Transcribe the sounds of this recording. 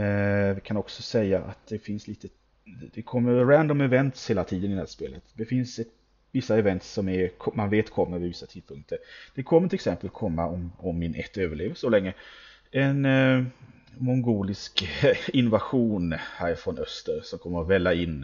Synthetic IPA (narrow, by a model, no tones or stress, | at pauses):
vɪkʰanɔksɔsɛjːaʔa̰t̪̚d̪̥ɛfɪnsliːt̪ə | d̪ɛkʰɔmːəɾɾænd̪ɔmɛvɛnt̪sheːlat̪ʰiːd̪ənɪd̪ɛæːspeːlə̰t̪d̪ɛfɪnsɛ | vɪsːaɛvɛnt̪sɔmæɾkʰɔmanveːt̪kʰɔmːəɾvɪvɪsːat̪ʰiːd̪̚pʰɵŋk̚t̪ʰəɾd̪̥ɛkʰɔmːəʈʰɪlɛksɛmpəlkʰɔmːa̰ɔmɔmːɪnʔɛ̰t̪ːøːvəɭeːvəsɔlɛŋːə | ɛn | mɔŋɡuːlɪskɪnːʊvaɧuːnhæːɾɪfɾɔnœst̪əɾsɔmkʰɔmːəɾɔvɛlːaɪnː